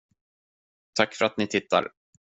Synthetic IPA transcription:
t̪ʰakːfœɾat̪nɪt̪ʰɪt̪ːa̰ɾ

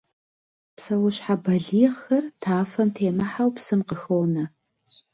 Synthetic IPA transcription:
psɐwʊɕħabɐɮiːʁxɐrtʰaːfɐmtʰeːmɐħawpsɨmqəxownɐ

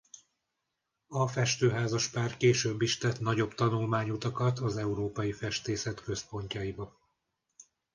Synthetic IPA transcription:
ɒfɛʃt̪øːɦaːzɒʃpaːrkeːʃøːbːiʃt̪ɛt̪nɒɟo̞bt̪ɒnulmaːɲut̪ɒkɒt̪ɒzɛuɾoːpɒjifɛʃt̪eːsɛt̪kø̞spo̞ɲcɒibɒ

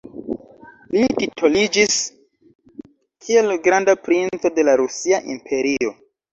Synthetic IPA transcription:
lititʰolid͡ʒis | kʰie̞lɡɾandapɾint͡so̞de̞laɾusiaʔimpʰe̞ɾio̞

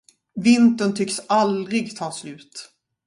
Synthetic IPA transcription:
vɪnt̪ənt̪ʰʏksald̪ɾɪɡt̪ʰɑːslʉ̟ːt̪

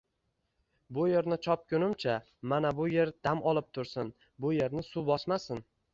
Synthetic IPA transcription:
bʊje̞ɾnɪt͡ʃʰɒp̚kʰʲʊnɪmt͡ʃʰa | manabʊje̞ɾd̪̥amɒlˠɪp̚t̪ʰʊɾsɪn | bʊje̞ɾnɪsubɒsmasɪn

